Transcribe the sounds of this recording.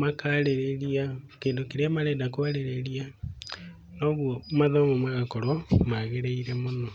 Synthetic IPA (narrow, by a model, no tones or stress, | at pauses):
makaɾeɾeɾiakeːndokeɾeamaɾɛːdakwaɾeɾeɾia | nɔɣwɔmaðɔmomaɣakɔɾɔmaɣeɾeiɾɛmonɔ